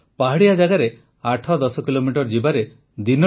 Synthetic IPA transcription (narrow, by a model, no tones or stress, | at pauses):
paɦaɽijad͡ʒaɡaɾe | aʈʰɔd̪ɔsɔkilomiʈɔɾd͡ʒibaɾe | d̪inɔ